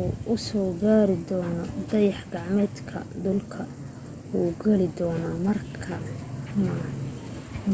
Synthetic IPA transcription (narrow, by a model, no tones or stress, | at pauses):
uʔʊsɔːɡaːɾɪd̪ɔːnɔd̪ɐjɑħɡɑʕmɛːd̪kʰɐ̰d̪ʊlkʰɐ | wuːɡɐlɪd̪ɔːnaːmɐrkʰɐmɐ